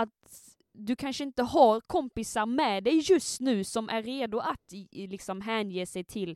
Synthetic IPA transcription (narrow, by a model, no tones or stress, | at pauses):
ɑt̪ | d̪ʉkʰanʂəɪnt̪əɦɑɾkʰɔmpɪsɑɾmɛd̪ɛɪjʉst̪nʉːsɔmʔæɾːeːd̪ʊʔat̪lɪksɔmɦæːnjeːsɛɪt̪ʰɪl